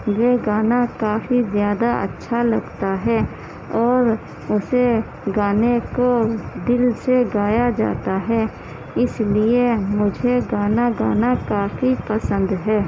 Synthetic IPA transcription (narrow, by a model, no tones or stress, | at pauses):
jeɡaːnakaːfizjaːd̪aʔə̰tːʃʰalɐɡt̪aɦɛ | ɔːɾ | ʊse | ɡaːnekod̪ɪlseɡaːjad͡ʒa̰ːt̪aɦɛː | ɪsliemʊd͡ʒʱeɡaːnaɡaːnakaːfipəsə̃nd̪ɦɛː